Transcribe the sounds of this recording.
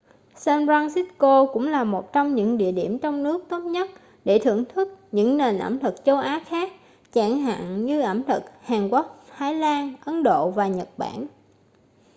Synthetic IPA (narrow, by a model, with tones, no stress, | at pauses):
sɛ˧nza˧ŋsi˦˥t̚ko˧kʊ̰˧˥ŋ͡mlaː˨˩mo˨˩t̚t͡ɕɔ˧wŋ͡mɲɨ̰˧˥ŋɗḭ˧˨əɗi˧˩əmt͡ɕɔ˧wŋ͡mnɨ˦˥ək̚t̪o˦˥t̚ɲə˦˥t̚ | ɗe˧˩t̪ʰɨ˧˩əŋt̪ʰɨ˦˥k̚ɲɨ̰˧˥ŋne˨˩nʔə̰˧˩mt̪ʰɨ˨˩k̚t͡ɕo˧wʔaː˨˦xaː˦˥k̚ | t͡ɕaː˧˩ŋɦa̰ː˧˨nɲɨ˧ʔə˧˩mt̪ʰɨ˨˩k̚haː˨˩ŋkwa˦˥k̚h̪ʰaː˨˦jlaː˧nʔə˨˦nɗo̰˧˨vaː˨˩ɲə˨˩t̚ɓa̰ː˧˩˨n